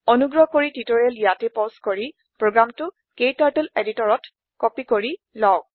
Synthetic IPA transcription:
ɔnuɡɹɔɦkoɹititoɹialjatepɔskoɹi | pɹoɡɹamtʊ | kejtaɹteleditɔɹɔt | kɔpikoɹi | lɔw

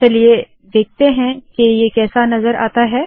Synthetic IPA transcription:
t͡ʃɐlie | d̪eːk̚ʰt̪eɦɛ̃kejekɛːsanɐzəɾʔa̰ːt̪aɦɛː

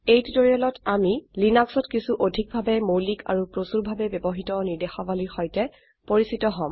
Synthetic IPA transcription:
ejtitoɹialɔtamilinaksɔtkisuʔodʱik̚bʱabɛmowlika̰ɹupɹosuɹbʱabɛbɔbɔɦitɔniɹdexabaliɹxɔjtɛ | poɹisitɔɦɔ̃m

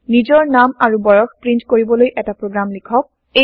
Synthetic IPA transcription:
nizɔɹnamaɹubɔjɔxpɹintkoɹibɔlojʔɛtapɹoɡɹamlikʰɔk̚ | e

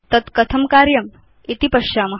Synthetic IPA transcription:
t̪ɐt̪kɐt̪ʰɐmkaːɾjɐm | it̪ipɐʃaːmɐ

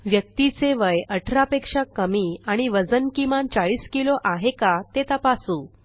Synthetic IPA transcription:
ʋjək̚t̪it͡seʋəjəʈʰɾapekʂakəmiːaɽ̃iʋəd͡zənkimant͡saɭiːskiloʔaɦekat̪et̪apasuː

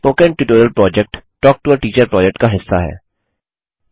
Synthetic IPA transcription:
poːkɛ̃ɳʈuʈoːɾəlpɾɔːd͡ʒɛk̚ʈʈɔːk̚ʈuəɾʈiːt͡ʃəɾpɾɔːd͡ʒɛk̚ʈkaɦɪsːaɦɛ̰ː

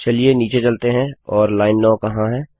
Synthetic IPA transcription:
t͡ʃɐlieniːt͡ʃet͡ʃɐlt̪eɦɛ̃ɔːɾlaːɪnːɔ̃ːkɐɦãɦɛ̃ː

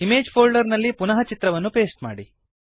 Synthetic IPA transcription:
ime̞ːd͡ʒpʰoːlɖɐɾnɐlːipunɐɦɐt͡ʃit̪ɾɐʋɐnːupe̞ːsʈma̰ːɽi

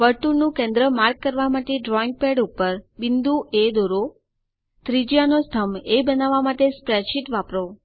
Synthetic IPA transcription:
ʋəɾʈuɾnũkɛ̃nd̪ɾəmaɾɡ̚kːəɾʋamaʈeɖɾɔiŋɡ̚pɛɽupəɾbɪnd̪uʔed̪oɾo | t̪ɾid͡ʒjanost̪ʰəmebənaʋamaʈespɾɛʃiʈʋapɾo

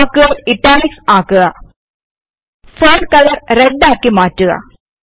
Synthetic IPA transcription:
kːɯɣɐɪʈːaːniksaːkːɯɣɐ | foːnkɐlɐɾɾɛɖːaːkːimaːʈːɯɣɐ̰

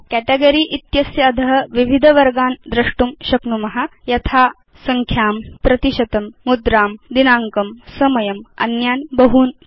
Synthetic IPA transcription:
kæʈeɡɐɾiːʔit̪jɐsjad̪ʱɐɦɐʋiʋʱid̪ʱɐʋɐɾɡaːnd̪ɾɐʂʈumɕɐknumɐɦajɐt̪ʰaː | sɐŋkʰjaːmpɾɐt̪iʃɐt̪ɐmːud̪ɾaːmd̪inaːŋkɐmsɐmɐjɐmɐ̰njaːnbɐɦuːn

